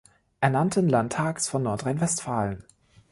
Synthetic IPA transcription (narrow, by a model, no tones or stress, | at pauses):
ʔɛɐnantʰənlantʰaːksfɔnːɔɐtʁaɪnvɛstfaːlən